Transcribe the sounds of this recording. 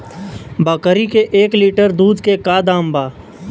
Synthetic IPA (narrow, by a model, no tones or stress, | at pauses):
bəkəɾikeʔeːkliːʈəɾd̪uːd̪kekaːd̪ãːmbaː